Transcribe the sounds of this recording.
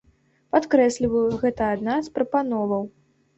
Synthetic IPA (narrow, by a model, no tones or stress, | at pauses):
pat̪kɾɛsʲlʲivɐjɣɛt̪ɐːd̪naspɾɐpanɔvɐw